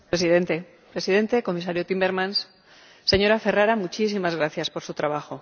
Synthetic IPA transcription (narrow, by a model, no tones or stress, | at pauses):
pɾe̞siðe̞nt̪e̞ | pɾe̞siðe̞nt̪e̞ko̞misaɾjot̪imbe̞ɾmãns | se̞ɲo̞ɾafe̞raɾamut͡ʃis̬imazɣ̞ɾaθjaspo̞ɾsut̪ɾaβ̞axo̞